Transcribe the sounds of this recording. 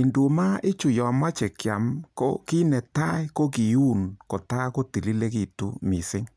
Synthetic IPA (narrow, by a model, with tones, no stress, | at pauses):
i˨ndu˨ma˦ɪ˦t͡ʃu˨jɔ˨ma˦t͡ʃe˨kja˨mko̰˦ki˦nɛ˨ta˦i˦ko˦ki˨ju˦˨nko˨ta˦ko˦ti˨li˦le˦ki˨tṵ˦mi˨sɪ˦ŋ